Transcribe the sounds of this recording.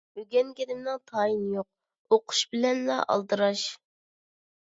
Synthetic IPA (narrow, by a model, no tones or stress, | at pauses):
yɡʲɛnɡʲed̪ɪmnɨŋt̪ʰɑːjinjoq̚ | oqʰʊ̥ʃbɪlɛnlɑ̰ʔɑ̰lˠd̪ɨɾɑʃ